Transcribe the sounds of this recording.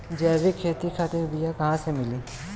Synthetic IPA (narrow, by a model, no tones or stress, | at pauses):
d͡ʒɛːɾikʰeːt̪ikʰaːt̪ẽbijakɐɦãsemɪliː